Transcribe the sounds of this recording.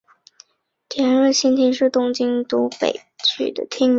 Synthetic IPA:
t̪ʰjɛ˧˥nɻə˥˩ɕi˥nt̪ʰi˧˥nʂɻ̩˥˩t̪ʊ˥ŋt͡ɕi˥ŋt̪u˧˥pḛ˨˩ɪt͡ɕʰy̰˨˩d̪ə̰˦t̪ʰi˥ŋ˦

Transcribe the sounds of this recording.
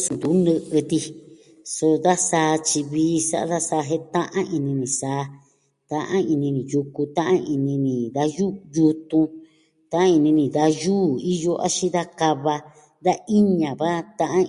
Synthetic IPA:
snd̪u˨˦nɨ̃˧ʔɨ˧t̪i˧ | so˧ða˦saː˧˦t͡ʃi˧βiː˧˦sa̰˦ʔa̰˧ða˦sa˧ɦe˦t̪ã˦ʔã˦ʔi˧nĩ˧nĩ˨saː˨˧˦ | t̪ã˧ʔã˦i˧nĩ˧nĩ˨ju˧ku˧t̪ã˦ʔã˦ʔi˧nĩ˧nĩ˨ða˧juː˦ju˧t̪ũ˧ | t̪ã˦ã˦i˧nĩ˧nĩ˨ða˧juː˦i˦jo˧ʔa̰˦ʃĩ˦ða˦ka˧βa˧ | ða˦ʔi˦ɲã˨βa˦t̪ã˧ʔã˦

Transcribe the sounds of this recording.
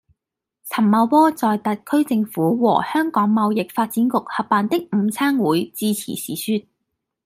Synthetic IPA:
t͡sʰɐ˨˩mmɐ˨˧wpɔː˥t͡sɔː˨jt̪ɐ˨t̚kʰɵ˥ɥt͡sɪ˧ŋfuː˨˥wɔ̰ː˨˩hœː˥ŋkɔː˨˥ŋmɐ˨˧wjɪ˨k̚faː˧t̚t͡siː˨˥nkʊ˨k̚hɐ˨pːaː˨nt̪ɪ˥k̚m̩˨˧t͡sʰaː˥ŋwuː˨˥jt͡siː˧t͡sʰḭ˨˩sḭː˨˩syː˧t̪̚

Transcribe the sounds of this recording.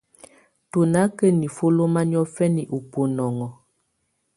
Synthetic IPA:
to˨na˨˦kə˦ni˨fo˦lo˦ma˦n˦ɔ˦fɛ˦ni˨ʔu˨po˨nɔ˨ŋɔ˨

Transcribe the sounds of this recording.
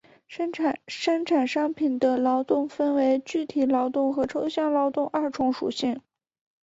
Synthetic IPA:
ʂə˥ŋʈ͡ʂʰa˨˩nʂɑ˥ŋpʰi˨˩nd̪ə˦lɑ˧˥ʊt̪ʊ˥˩ŋfə˥nwe˧˥ɪt͡ɕy˥˩t̪ʰi˨˩lɑ˧˥ʊt̪ʊ˥˩ŋxɤ˧˥ʈ͡ʂʰo˥ʊɕjɑ˥˩ŋlɑ˧˥ʊt̪ʊ˥˧ŋʔɐ˞˥˩ʈ͡ʂʰʊ˧˥ŋʂṵ˨˩ɕi˥˩ŋ

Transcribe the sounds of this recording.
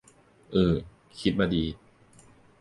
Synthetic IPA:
ʔɤː˨˩ | kʰi˦˥t̪̚maː˧diː˧

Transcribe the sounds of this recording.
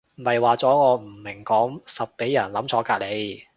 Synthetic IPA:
m̩˨˩mɐ˨jwaː˨t͡sɔː˨˥ŋɔː˨˧m̩˨˩mɪ˨˩ŋkɔː˨˥ŋsɐ˨p̚ke˨˥jːɐ˨˩nlɐ˨˥mt͡sʰɔː˨˧˥kaː˧˥le˨˧j

